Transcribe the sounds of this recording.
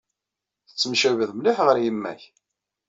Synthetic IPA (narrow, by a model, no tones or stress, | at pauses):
θə̥t͡sːəmʃævəðmliħʁəɾjəmːæ̰ç